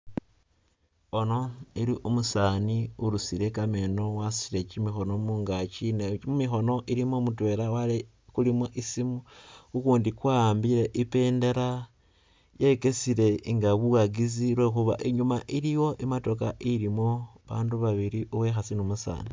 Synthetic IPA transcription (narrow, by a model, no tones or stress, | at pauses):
o̞no̞iɾiʔumusaːniuɾusiɾe̞kame̞no̞wasiɾet͡ʃimixo̞no̞muːŋɡat͡ʃinemumixo̞no̞ʔiɾimomutwe̞ɾawale | kulimoʔisimuukuːndikwambiɾe̞ʔipe̞ːnde̞ɾa | jeke̞siɾe̞ŋɡaβuɣaɡizilwe̞xuβa̰ʔeɲumaʔiɾijo̞ʔimato̞kaʔiɾimo̞βaːnduβaβiɾiʔuβwexasinumusa̰ːni